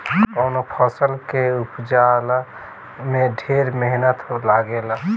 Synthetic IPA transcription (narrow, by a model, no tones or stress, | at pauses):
kəʊnopʰəsəlkeupd͡ʒal | meɖʱeɾmeɦnət̪laɡel